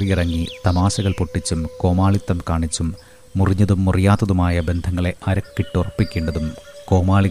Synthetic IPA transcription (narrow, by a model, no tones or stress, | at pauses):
rijirɐŋːit̪ɐmaːsɐɣɐɭpoʈːit͡ɕːumko̞ːmaːɭit̪ːɐmkaːɳit͡ɕːumː | uriɲːɐðumːurijaːt̪ːɐðumaːjɐbe̞nd̪ʱɐŋːɐɭe̞ʔɐɾɐkːiʈːurɐpːikʲːeːɳɖɐðumko̞ːmaːɭi